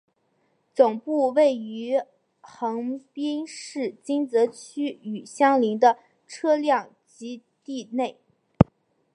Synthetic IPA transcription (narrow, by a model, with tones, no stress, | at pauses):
t͡sʊ˨˩ŋpu˥˧we˥˩ɪy˧˥ | xɤ˧˥ŋpi˥nʂɻ̩˥˩t͡ɕi˥nt͡sɤ˧˥t͡ɕʰy˥y˨˩ɕjɑ˥ŋli˧˥ŋd̪ə˧ | ʈ͡ʂʰɤ˥ljɑ˥˩ŋ | t͡ɕi˧˥t̪i˥˧ne˥˩ɪ